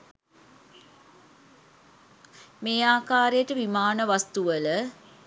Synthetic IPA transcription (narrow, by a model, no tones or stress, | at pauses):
meːaːkaːɾejəʈəʋimaːnəʋast̪uʋələ